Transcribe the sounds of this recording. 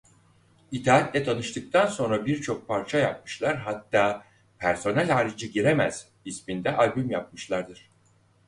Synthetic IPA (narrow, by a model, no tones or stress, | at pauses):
it̪ʰaːat̪lʲɛt̪ʰanɯʃt̪ʰɯk̚t̪ʰanso̞nɾabiɾt͡ʃʰo̞k̚pʰaɾt͡ʃʰajap̚mɯʃlˠaɾɦat̪ːaː | pʰæɾso̞nælʲhaːɾid͡ʒɯɟiɾemæz̥ | ismind̪ɛʔalʲbymjap̚mɯʃlˠaɾd̪ɯɾ̥